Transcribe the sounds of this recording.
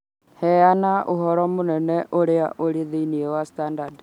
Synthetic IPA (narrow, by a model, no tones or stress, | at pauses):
hɛanaʔo̰ɦɔɾɔmonɛnɛʔoɾea̰ʔoɾeðeiniɛwastandad